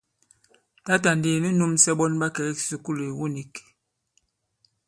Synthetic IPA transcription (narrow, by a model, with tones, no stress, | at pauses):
ta˦ta˨nde˨ni˦nu˦msɛ˦ɓɔ˦nba˦kɛ˨ɛ˦ksi˨ku˦le˨wu˦ni˨k